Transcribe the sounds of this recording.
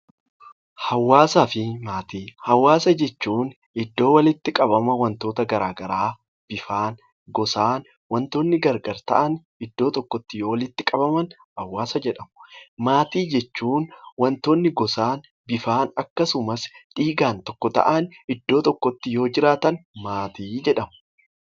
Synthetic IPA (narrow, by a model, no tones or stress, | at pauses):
hɐwːaːsaːfɪmaːt̪iːhɐwːaːsɐd͡ʒɛt͡ʃːuːn | ɪd̪ːo̞ːwɐlɪt̪ːɪkʼɐbɐmɐwɐnt̪o̞ːt̪ɐɡɐɾaːɡɐɾaː | b̥ɪfaːn | ɡɔsaːn | wɐnt̪oːnːɪɡɐɾɡɐɾt̪ɐ̰ʔɐn | ɪd̪ːo̞ːt̪ɔkːɔt̪ːɪjoːwɐlɪt̪ːɪkʼɐbɐmɐn | hɐwːaːsɐd͡ʒɛᶑɐmʊmaːt̪iːd͡ʒɛt͡ʃːuːnwɐnt̪oːnːɪɡɔsaːn | bɪfaːnɐkːɐsʊmɐsᶑiːɡaːnt̪ɔkːɔt̪ɐ̰ʔɐnɪd̪ːo̞ːt̪ɔkːɔt̪ːɪjo̞ːd͡ʒɪɾaːt̪ɐnmaːt̪iːd͡ʒɛᶑɐmʊ